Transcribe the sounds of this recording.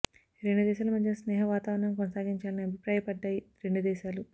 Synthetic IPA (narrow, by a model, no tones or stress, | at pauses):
ɾeɳɖud̪ɛːʃaːlɐmɐd̪ʱjɐsnɛːɦɐʋaːt̪aːʋɐɾɐɳɐmkɔnɐsaːɡiɲt͡ʃaːlɐniɐbʱipɾaːjɐpɐɖːaːjiɾe̞ɳɖud̪ɛːʃaːlu